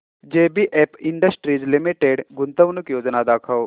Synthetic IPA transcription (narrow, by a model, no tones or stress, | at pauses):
d͡ʒeːbiʔeːpɪ̃ɳɖəsʈɾiːd͡ʒlɪmiʈeɖɡʊnt̪əʋnʊkjoːd͡ʒnad̪aːkʰəw